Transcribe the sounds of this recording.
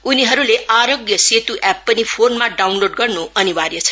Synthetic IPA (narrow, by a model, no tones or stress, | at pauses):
uniɦʌɾuleʔaɾoɡjʌset̪uʔɛpːʌnipʰonmaɖawnloɖɡʌrnuʌniwaɾjʌt͡sʰʌ̥